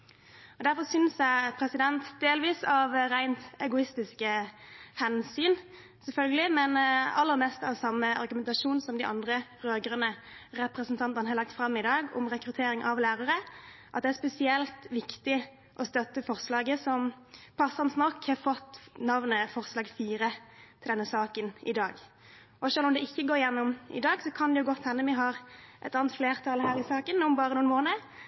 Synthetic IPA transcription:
ɔd̪æɾfɔsʏnsjæɪpʰɾɛsɪd̪ɛnt̪d̪eːlʋiːsɑʋɾæɪnt̪ɛɡʊɪst̪ɪskəhɛnsyːn | sɛlfœlɡəlɪmɛnɑlːəɾmɛst̪ɑʋsɑmːəɑɾɡʉmɛnt̪ɑʂuːnsɔmd̪æɪʔɑ̰nd̪ɾəʁøːɡəɾənə | ɾɛpɾəsnt̪ʰɑnt̪ənhɑɾlɑk̚t̪fɾɑmːɪd̪ɑːɡɔ̰mʁɛkɾʉt̪ʰeːɾɪŋʔɑʋlæːɾɑɾəʔɑ̰t̪̚d̪ɛæɾspɛsɪɛlt̪ʋɪkt̪ɪ | ʔɔst̪œt̪ːəfɔʁslɑːɡəsɔm | pʰɑsːɑnsnɔkːhɑɾfɔt̪ːnɑʋnəfɔʁslɑːɡfiːɾət̪ʰɪld̪ɛnːəsɑːkənɪ̰d̪ɑːɡ | ɔʂøːlɔmd̪ɛɪçːəɡoːɾɪjɛnːʊmɪ̰d̪ɑːɡsɔkʰɑnd̪ɛjʊɡɔt̪ːhɛnːəmɛɦɑːɾʔɛ̰t̪ɑːnt̪fleːɾt̪ʰɑlɦæːɾɪsɑːkənʊmbɑːɾənuːnmoːnə

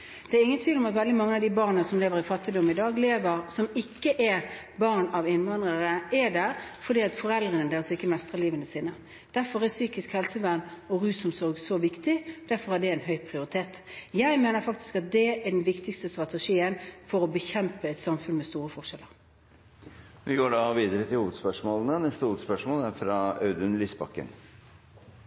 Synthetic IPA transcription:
d̪̥ɛæɾɪŋənt̪ʰʋiːʋlɔmɑt̪ʋɛld̪ɪmɑŋːəɑʋd̪ɪbɑːʁnəsɔmleːʋəɾɪfɑt̪ːɪd̪ɔmːɪd̪ɑːɡleːʋəʁsɔmɪkːəʔɛɾ | bɑʁnɑʋɪnʋɑnd̪ʁəʁəɛd̪æːʁfɔd̪iːɑt̪fɔɾɛld̪ʁənəd̪eːɾəsɪkːəmɛst̪ʁəʁliːʋənəsiːnə | d̪̥æʁfɔʁæsyːkɪskhɛlsəʋæʁnɔʁʉːsɔmsɔɾɡsɔʋɪkt̪ɪd̪æɾfɔɾhæɖɛɛɪnɦœʏpʰʁɪʊɾɪt̪ʰeːt̪jæɪmeːnəɾfɑkt̪ɪ̥skɑt̪̚d̪ɛɛɖɛnʋɪkt̪ɪkst̪əst̪ɾɑt̪ɛʂiːənfɔɾɔbəçɛmpəɛɪt̪sɑmfʉnmɛst̪uːɾəfɔʁʂɛlːəʁ | ʋɪɡoːɖɑʋiːd̪əɾət̪ʰɪlhuːʋəd̪spœʂmoːlənənɛst̪əhuːʋəd̪spœʂmoːlæɾfɾɑɑʉd̪ʉnlyːsbɑ̰kːə̰n

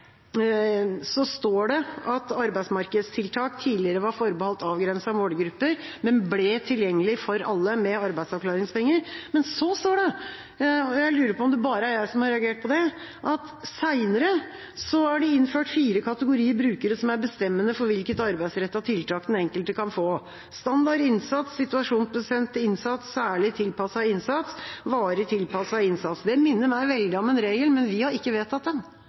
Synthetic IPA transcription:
sɔst̪oːɖɛʔɑt̪ɑɾbæɪsmɑɾkəd̪st̪ʰɪlt̪ʰɑːkt̪ʰiːlɪəɾəʋɑɾfɔɾbəhɔlt̪ɑːʋɡɾɛnsɑʋoːɖɡɾʉpːəɾmɛnblɛt̪ʰɪljɛŋːəlɪfɔɾɑ̰lːəmɛɑɾbæɪd̪sɑʋkʰlɑːɾɪŋspʰɛŋːəɾmɛnsɔst̪oːɖɛ | ɔjæɪlʉːɾəɾpʰɔɔmd̪ɛbɑːɾəæɾjæɪsɔmhɑɾɛɑɡeːʈ̚pʰɔd̪ɛ | ʔɑt̪ | sæɪnəɾə | sɔæɖɪɪnføːʈfiːɾəkʰɑt̪əɡʊɾiːəɾbɾʉːkəɾəsɔmæɾbəst̪ɛmːənəfɔɾʋɪlkət̪ɑɾbæɪsɾɛt̪ːɑt̪ʰɪlt̪ʰɑːkd̪ɛnɛŋkəlt̪əkʰɑnfoː | st̪ɑnd̪ɑɾɪnsɑt̪sɪt̪ʉɑʂuːnpɾʊsɛnt̪ɪnsɑt̪ssæːɭɪt̪ʰɪlpɑsɑɪnsɑt̪sʋɑːɾət̪ʰɪlpʰɑsɑɪnsɑt̪sd̪ɛmɪnːəɾmæɪʋɛld̪ɪɔmɛnɾeːɡəlmɛnʋɪhɑɾɪkːəʋeːt̪ʰɑt̪̚d̪ɛn

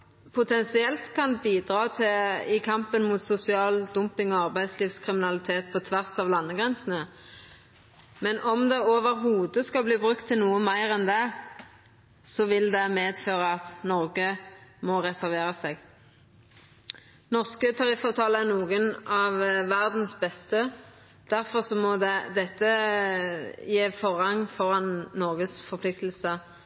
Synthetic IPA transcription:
pʰʊt̪ʰɛnsɪɛlt̪kʰɑnbiːd̪ʁɑːt̪ʰɪɪkʰɑmpənmut̪sʊsɪɑːld̪ʊmpɪŋɔɑʁbæɪd̪sliːʋskʰʁɪmɪnɑlɪt̪ʰeːt̪̚pʰɔt̪ʰʋæʁsɑʋlɑnːəɡʁɛnsən̩ə | mɛnʔɔmd̪ɛoːʋəɾɦuːd̪əskɑlbliːbʁʉkt̪ʰːɪlnuːəmæɪʁɛnd̪ɛ | sɔʋɪld̪ɛmeːd̪føːʁəɑt̪nɔʁɡəmɔʁɛsæʁʋeːʁəsɛɡ | nɔʁskət̪ʰɑʁɪfɑʋt̪ʰɑːləæʁnuːɡənɑʋʋæʁd̪n̩sbɛst̪ə | d̪̥æʁfɔʁsɔmɔd̪ɛd̪ɛt̪ːə | jeːfɔʁɑŋːfɔʁɑnnɔʁɡəsfɔʁpʰlɪkt̪l̩sə

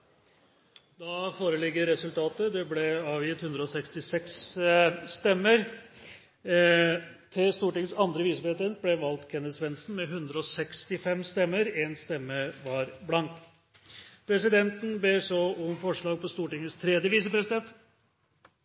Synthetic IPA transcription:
d̪ɑfoːɾəlɪɡːəɾɛsʉlt̪ʰɑːt̪əd̪ɛblɛɑːʋjɪt̪hʉnd̪ɾəɔsɛkst̪ɪsɛksː | t̪ɛmːəɾ | t̪ʰɪlst̪uːʈɪŋəsɑnd̪ɾəʋiːsəpɾɛt̪ɛnt̪̚blɛʋɑlt̪kʰɛnːəd̪sʋɛnsn̩mɛɦʉnd̪ɾəɔsɛkst̪ɪfɛmst̪ɛmːəɾɛnst̪ɛmːəʋɑɾblɑnt̪ | pʰɾɛsɪd̪ɛnt̪ən̩beːsɔʊmfɔʂɭɑːɡ̚pɔst̪uːʈɪŋːəst̪ʰɾɛd̪jəʋiːs̬əpɾɛsɪd̪ɛnt̪

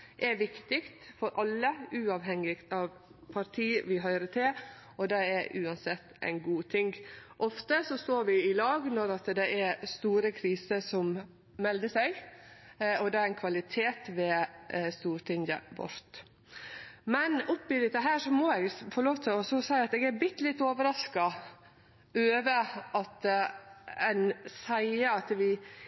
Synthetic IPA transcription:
ʔɛɾʋɪkt̪ɪkt̪fɔɾʔɑlːəʉːɑʋɦɛŋɪkt̪ɑʋ | pʰɑɾt̪ʰiːʋɪɦœʏɾət̪ʰɪ | ɔd̪ɛɛɾʔʉːɑnsɛt̪ːæ̰ɪnɡuːt̪ʰɪŋɡʔɔft̪əsɔst̪oːɾʋɪɪlɑːɡnɔɾɑt̪d̪ɛʔæɾst̪uːɾəkʰɾiːsəsɔm | mɛld̪əsæɪ | ɔd̪ɛæɾæɪnkʰʋɑlɪt̪ʰeːt̪ʋɛːst̪uːɾt̪ʰɪŋjə̰bɔ̰ɾt̪ | mɛnʊpːɪd̪ɪt̪ːəɦæːʂɔmɔɛɡfɔɾɭoːʋt̪ʰɪlɔsɔsæɪɑt̪ɛːɡæɾbɪt̪ːlɪt̪ːoːʋəɾɑskɑ | øːʋəʔɑt̪ | ɛɪnsæɪəɑt̪ʋɪ

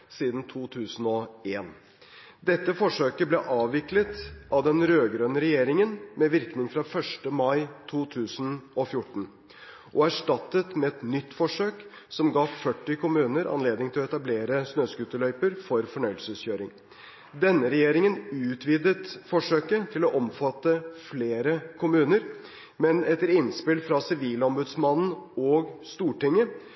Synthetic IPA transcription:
siːd̪n̩t̪ʰuːt̪ʰʉːsn̩ɔeːn | d̪ɛt̪ːəfɔʂøːkəblɛʔɑːʋːɪklət̪ʔɑʋd̪ɛnɾøːɡɾøːnəɾɛjeːɾɪŋənmɛʋɪɾknɪŋfɾɑfœʂʈəmɑɪt̪ʰuːt̪ʰʉːsənɔfjʊʈːɳ̩ | ʔɔæʂʈɑt̪ːət̪mɛɛt̪nʏt̪ːfɔʂøːk | sɔmɡɑːʋfœʈːɪkʰʊmʉːnəɾʔɑ̰nleːd̪nɪŋt̪ʰɪlɔɛt̪ɑbleːɾəsnøːskʉt̪ːəlœʏpəɾfɔɾfɔɳœʏəlsəsçøːɾɪ̰ŋ | d̪ɛnːəɾɛjeːɾɪŋənʉːt̪ʰʋiːd̪ət̪fɔʂøːkət̪ʰɪlɔʔɔmfɑt̪ːəfleːɾəkʰʊmʉːnəɾ | mɛnɛt̪ːəɾɪnspɪlfɾɑsɪʋiːlɔmbʉd̪smɑnn̩ɔːɡst̪uːʈɪŋːə

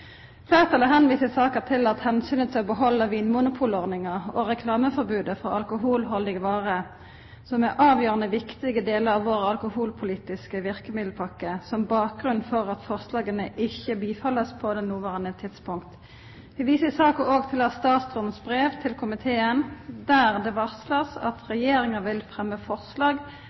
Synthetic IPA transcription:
fæːʁt̪ʰɑləɦɛnʋiːsəsɑːkət̪ʰɪlɑt̪hɛnsyːnəd̪ʰlɔbəɦɔlːəʋiːnmuːnʊpʰuːlɔʁnɪŋəʁɔʁɛkʰlɑːməfɔʁbʉːd̪əfɔʔɑlkʊɦuːlɦɔlɪɡəʋɑːʁə | sɔmɛʔɑːʋjøːʁənəʋɪkt̪ɪɡəd̪eːləɾɑʋʋoːɾəɑlkʊhuːlpʰʊliːt̪ɪskəʋɪʁkəmɪd̪l̩pʰɑkəsɔmbɑːk̚ɡʁʉnfɔʁɑt̪fɔʁslɑːɡənəʔɪçəbiːfɑləspʰɔd̪ɛnuːʋɑːʁənət̪ʰɪt̪spʊŋkt̪ | ʋɪʋiːsəsɑːkəʔoːɡt̪ʰɪlɑst̪ɑːt̪sɔnsbʁeːʋt̪ʰɪlkʰʊmɪt̪ʰeːənd̪æːʁd̪ɛʋɑʁsləʁsɑ̰t̪ʁɛjeːɾɪŋəʋɪlfʁɛmːəfɔʁslɑːɡ

